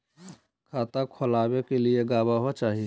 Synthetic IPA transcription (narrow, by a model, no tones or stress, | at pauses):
kʰaːt̪akʰolabekelieɡabaɦot͡ʃaːɦi